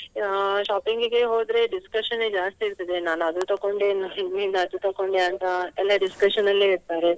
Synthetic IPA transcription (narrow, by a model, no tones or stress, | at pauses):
ʃaːpiŋɡiɡeɦoːd̪ɾe̞ɖiskɐʃɐned͡ʒaːst̪iːɾt̪id̪enaːnɐd̪ut̪ɐkːoɳɖenainɐɐd̪ut̪ɐkːoɳɖeɐnt̪ɐɛlːaɖiskɐʃɐnɐlːeiɾt̪aːɾe